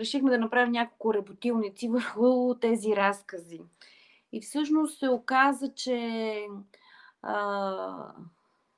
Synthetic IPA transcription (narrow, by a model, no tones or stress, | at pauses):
ɾɛʃixmɛd̪ɐnɐpɾavinʲakolˠkʊɾɛbot̪ilˠnit̪sivəɾxʊt̪ɛziɾaskəzi | ifsɤʃnost̪sɛokazət͡ʃɛ | ə